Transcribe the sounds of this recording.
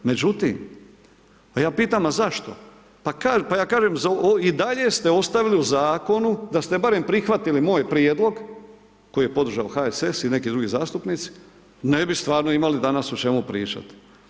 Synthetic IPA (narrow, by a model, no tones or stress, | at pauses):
me̞d͡ʒut̪ḭːm | jaːpiːt̪amazaʃt̪o̞ | pakaːpajaːkaːʒemzaid̪aʎe̞st̪e̞o̞st̪aʋiliuzaːko̞nud̪ast̪e̞baɾe̞mpɾixʋat̪ilimo̞jpɾied̪lˠo̞ɡ | ko̞jije̞po̞d̪ɾrʒaoxaesesine̞kid̪ɾuɡizaːst̪upniːt̪si̥ | ne̞bist̪ʋaːɾnoimalid̪anasut͡ʃe̞mupɾḭːt͡ʃa̰t̪i̥